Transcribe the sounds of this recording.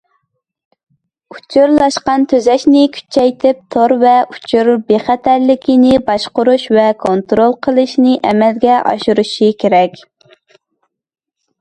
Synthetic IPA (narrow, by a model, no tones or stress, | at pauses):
ut͡ʃʰuɾlˠɑʃqɑnt̪ʰøzɛʃnɪkʲʰy̥t͡ʃʰɛjt̪ʰɪp̚t̪ʰoɾvɛʔut͡ʃʰuɾbeχɛt̪ʰæɾlɪkʲinɪbɑʃqʊɾuʃvɛkʰont̪ɾolˠqʰəlˠɨʃnɪʔɛmɛlɡʲɛʔɑ̰ʃuɾuʃikʲeɾɛkʲ